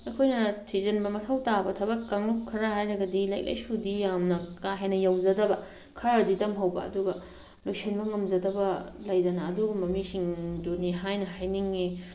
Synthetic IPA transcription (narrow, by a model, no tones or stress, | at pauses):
ɐjkʰojnɐtʰizɐnbɐmɐtʰawtabɐtʰɐbɐkːaŋlupkʰːɐɾahajɾɐɡɐdila̰jk̚lʔɐ̰jsudijamnɐkaɦejnɐjawzɐdɐbɐ | kʰɐɾaditɐmɦɐwbɐ̰ɐ̰duɡɐ | lojsʰinbɐŋɐmzɐdɐbɐlɐjdɐnɐːduɡɐmɐmisiŋdoniɦajnɐɦajniŋi